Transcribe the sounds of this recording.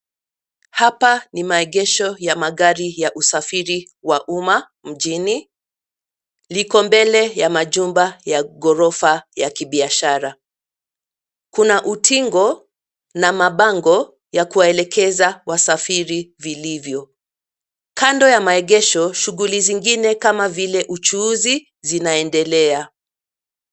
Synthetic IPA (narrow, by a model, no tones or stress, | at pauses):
hapanimaɛɠɛʃɔjamaɠaɾijaʔusafiɾi | waʔuma | m̩ʄini | likɔmbɛlɛjamaʄumbajaɡɔɾɔfajakiɓiaʃaɾa | kunaʔutʰiŋɡɔ | namaɓaŋɡɔ | jakuwaɛlɛkɛzawasafiɾivilivjɔ | kandɔjamaɛɠɛʃɔʃuɣuliziŋɡinɛkamavilɛʔut͡ʃuːzi | zinaɛndɛlɛa